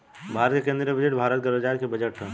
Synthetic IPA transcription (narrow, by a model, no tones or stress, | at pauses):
bʱaːɾət̪kekẽːnd̪ɾibəd͡ʒeʈbʱaːɾət̪̚ɡəɾəd͡ʒaːɾkebɐd͡ʒəʈɦ